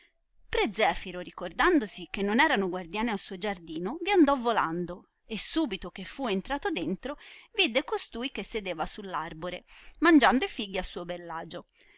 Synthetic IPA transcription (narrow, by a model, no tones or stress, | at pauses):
pɾɛd̪zːɛːfiɾoɾikord̪and̪osikenːonɛːɾanoɡward̪jaːnialsuːod͡ʒard̪iːnoviand̪ɔvːola̰nd̪o | esːuːbit̪okefːuent̪ɾaːt̪od̪ent̪ɾovid̪ekost̪uːjkesːed̪eːvasulːarboɾemand͡ʒand̪oifiɡiasuːobelːaːd͡ʒo